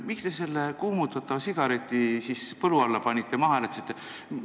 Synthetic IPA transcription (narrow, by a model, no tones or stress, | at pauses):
mikst̪e̞se̞lːekuːmut̪ːˑɑt̪ːˑɑvɑsiɡ̥ɑɾet̪ʲˑːisispɤluɑlːɑpɑnʲit̪ˑːemɑɦɑlet̪si̥t̪ːˑe